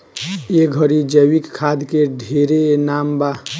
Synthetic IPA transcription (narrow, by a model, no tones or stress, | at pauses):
eɡʱəɾid͡ʒəwikkʰːad̪keɖʱeɾenamba